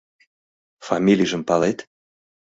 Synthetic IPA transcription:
fɑmʲilʲijʒə̆mpɑlet̪

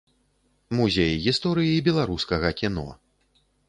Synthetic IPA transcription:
muzʲejɣʲist̪ɔɾɨjiibʲɛlˠaɾuskɐɣɐkʲinɔ̰

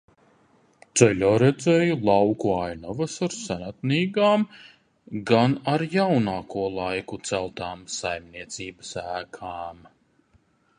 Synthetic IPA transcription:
t̪sɛlʲɔːɾɛd̪zɛːjulˠawkuajnɔvɐsaɾsænat̪niːɡaːm | ɡanaɾjawnaːkuɔlˠajkut̪sælˠt̪aːmsajmniɛt̪siːbəsæːkʰaːm

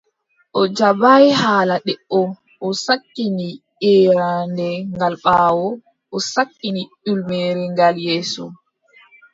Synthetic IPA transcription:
ʔɔd͡ʒabajɦaːlaɗɛʔɔ | ʔɔsakːini | ʔɛjandɛŋɡalɓaːwɔ | ʔɔsakːiniɗulmɛːɾɛŋɡaljɛːsɔ

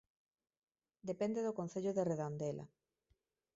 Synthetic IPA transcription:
d̪epend̪eðokonθeʎoðereðond̪ela̰

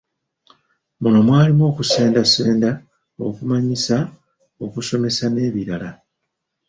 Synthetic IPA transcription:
muno̞mwaːlimo̞ːkuse̞ːndase̞ːnda | o̞̰kumaɲisa | o̞kuso̞me̞sane̞ːβiɾala

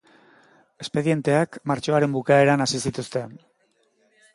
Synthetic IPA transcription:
e̞spe̞ðje̞nt̪e̞akmaɾt͡ʃo̞aɾe̞mbukae̞ɾanasisit̪ust̪e̞n

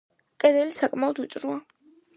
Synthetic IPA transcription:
kʼɐd̪ɛlsakʼmawd̪ut͡sʼɾua

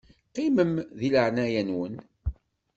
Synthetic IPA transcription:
qiməmðiləʕnæjænwən

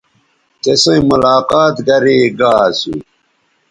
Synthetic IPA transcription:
t̪esɐ̃imulaːqaːt̪ɡɐɾiɡaːsṵ

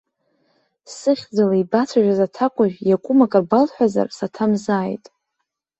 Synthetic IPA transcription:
sɨχʲd͡zalaibat͡sʷʰaʒᶣazatʰakʷʼaʒᶣjakʷʼʊmakʼɨrbalħʷaza̰rsatʰamzaːjtʼ

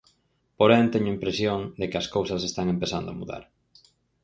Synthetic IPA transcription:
poɾɛnt̪ɛɲʊimpɾesjoŋd̪ekɪɐskowsɐsest̪aŋempeθand̪oa̰muða̰ɾ

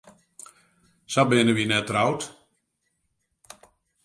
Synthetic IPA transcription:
sabɪnəʋinɛtrawt

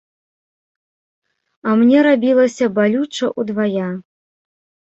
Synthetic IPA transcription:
ɐmnʲɛɾabʲilˠɐsʲɐbalʲut͡ʂɐʔud̪vaja

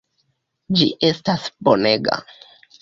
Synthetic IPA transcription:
d͡ʒiʔe̞stasbone̞ɡa̰

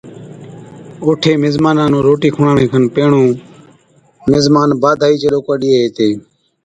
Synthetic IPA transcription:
oːʈʰeːmɪzmaːnãːnõːɾoːʈiːkʰʊːɳaːɳẽːkʰənpeːɳõː | mɪzmaːnbaːd̪ʱaːiːt͡ʃəɗoːkəɗiːeɦeːt̪eː

